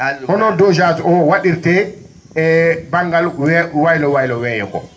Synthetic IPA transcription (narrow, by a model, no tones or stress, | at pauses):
hɔnɔdɔd͡ʒatɔwaɗiɾtɛ | ɛbaŋɡalwajlɔwajlɔwɛjɛkɔ̰